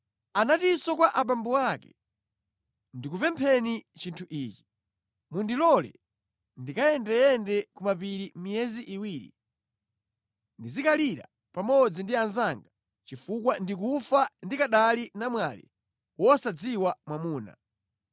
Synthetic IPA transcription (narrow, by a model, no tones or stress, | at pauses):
anatisɔkwaʔaɓambuakɛ̰ | ndikupɛmpʰɛnit͡ʃintʰuʔiːt͡ʃi̥ | mundilɔlɛ̰ | ndikajɛndɛjɛndɛkumapiɾimijɛziʔiwiɾḭ | ndizikaliɾa̰ | pamɔd͡zindianzaŋɡa | t͡ʃifukwandik̬ufandikaɗalinamwalḭ | wɔsad͡ziwamwamuːna̰